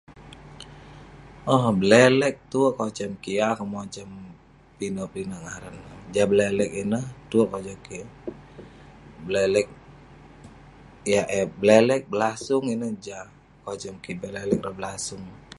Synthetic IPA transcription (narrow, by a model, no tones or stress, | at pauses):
ɔhbəlɛlɛk̚t̪uəʔkot͡ʃəmkijakəmɔt͡ʃəm | pinopinoʔŋaɾənːəd͡ʒabəlɛlɛk̚inəht̪uəʔkɔd͡ʒɔki | bəlɛlɛk̚ | ijaʔɛblɛlɛk̚bəlasʊŋinəd͡ʒa | kot͡ʃəmkibɛlɛlɛk̚rəbəlasʊŋ